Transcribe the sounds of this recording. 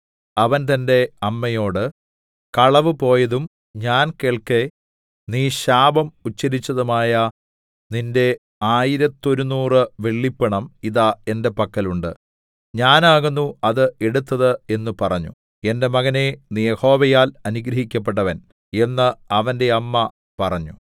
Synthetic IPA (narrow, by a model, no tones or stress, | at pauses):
ɐʋɐnt̪̬ɐnde̞ɐmːɐjo̞ːɽɨ | kɐɭɐʋɨpo̞ːjɐðum | ɲaːnkeːɭke | niːɕaːbɐmut͡ɕːɐɾit͡ɕːɐðumaːjɐ | ninde̞ | aːjiɾɐt̪ːo̞ɾunːuːrɨʋe̞ɭːipːɐɳɐmiðae̞nde̞pɐkːɐluɳɖɨ̰ | ɲaːnaːɣunːuɐðɨe̞ɽut̪ːɐðɨe̞nːupɐrɐɲːṵ | e̞nde̞mɐɣɐne̞niːjeho̞ːʋɐjaːlɐnuɡɾɐɦikʲːɐp̬ːe̞ʈ̬ːɐʋɐn | e̞nːɐɐʋɐnde̞ɐmːɐ | pɐrɐɲːu